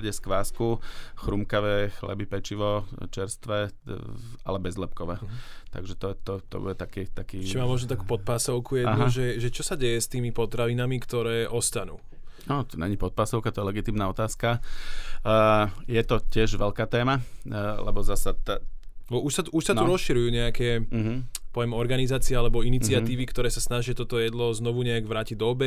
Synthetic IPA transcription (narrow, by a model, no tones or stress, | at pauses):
ɟɛskʋaːskuxɾumkaʋɛːxlɛ̰bipɛt͡ʃiʋɔt͡ʃɛɾst̪ʋɛ | a̰lɛbɛzlɛp̚kɔʋɛːt̪a̰ɡʒɛt̪ɔt̪ɔt̪ɔ̰bṵɟɛt̪akɛːt̪akiːt͡ʃimaːmːɔʒnɔt̪akuːpɔt̪̚paːsɔʊkujɛdaɦ̪aʒɛʒɛt͡ʃɔsaɟɛjɛst̪iːmipɔt̪ɾaʋinamikt̪ɔɾɛːʔɔst̪anṵː | nɔt̪ɔɲɛ̰ɲipɔt̪̚paːsɔʊkat̪ɔjɛlɛɡit̪iːmnaːɔt̪aːska | jɛt̪ɔcɪɛʒʋɛʎkaːt̪ɛːmalɛ̰bɔzasat̪a | ɔuʃsat̪uuʃsauɾɔsʃiɾujuːɲɛakɛː | pɔʋɛmɔɾɡanizaːt͡siɛalɛbɔinit͡siat̪iːʋikt̪ɔɾɛːsasnaʒɪat̪ɔt̪ɔjɛd̪lɔznɔʋuɲɛaɡʋɾaːciɟd̪ɔbɛ